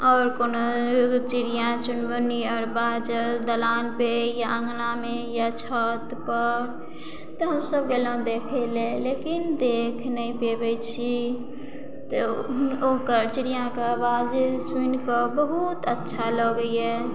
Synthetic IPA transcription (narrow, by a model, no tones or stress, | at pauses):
ɔːɾkonot͡ʃiɾijãt͡ʃunbəniɔɾbad͡ʒəd̪əlanpejaə̃ŋɡnamejat͡ʃʰɔt̪pəɾ | t̪ɔɦəmsəb̚ɡelə̃d̪ekʰɛlelekind̪ekʰnəĩpebɛt͡ʃʰi | t̪ɔokəɾt͡ʃiɾijãkebad͡ʒswinkəbəɦut̪ətːʃʰalɔɡəiɛ